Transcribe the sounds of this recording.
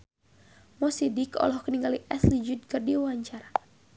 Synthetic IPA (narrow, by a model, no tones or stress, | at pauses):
mɔsidikɔ̰lɔhkəniŋɡaliʔɛslid͡ʒʊd̪̚kɨrdiwaɲt͡ʃaɾa